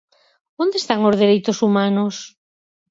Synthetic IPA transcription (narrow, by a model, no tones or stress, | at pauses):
ond̪est̪aŋozðeɾejt̪osumanos